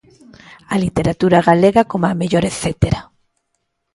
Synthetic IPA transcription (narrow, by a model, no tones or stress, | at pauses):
alit̪eɾat̪uɾaɣaleɣakomameʎoɾeθet̪eɾa